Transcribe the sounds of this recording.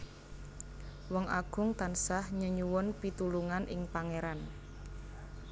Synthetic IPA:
wɔŋʔaɡ̥ʊŋt̪ansahɲəɲuwʊnpit̪uluŋanʔɪŋpaŋeɾan

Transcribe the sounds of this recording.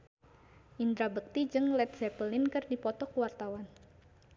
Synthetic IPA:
ʔind̪ɾabək̚t̪id͡ʒɨŋlɛt̪̚sɛpəlɪnkɨrdipɔt̪ɔkuwart̪awan

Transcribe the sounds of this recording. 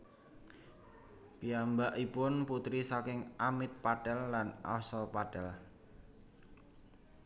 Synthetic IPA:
piambaʔipʊnput̪ɾisakɪŋamɪt̪̚paɖ̥ɛlːanɔ̰sɔpaɖ̥ɛl

